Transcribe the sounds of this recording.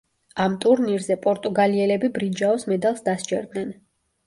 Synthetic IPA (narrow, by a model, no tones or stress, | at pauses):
amt̪ʼuɾniɾzɛpʼɔɾt̪ʼuɡaliɛlɛbibɾid͡ʒaɔsmɛd̪alˠsd̪ast͡ʃʼɛ̰ɾd̪nɛn